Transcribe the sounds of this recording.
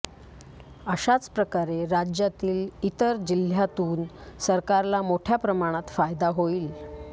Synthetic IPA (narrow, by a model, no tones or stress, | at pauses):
əɕat͡spɾəkaɾeɾad͡ʑjat̪iːlit̪əɾd͡ʑil̤jat̪uːnsəɾkaɾlamoʈʰjapɾəmaɽ̃at̪fajd̪aɦoiːl